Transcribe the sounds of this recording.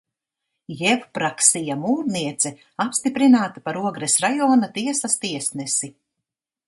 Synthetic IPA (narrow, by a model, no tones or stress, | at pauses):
jɛvpɾaksijamuːɾniɛt̪sɛ | apst̪ipɾinaːt̪apaɾuɔɡɾɛsɾajɔːnat̪iɛsast̪iɛsnɛsi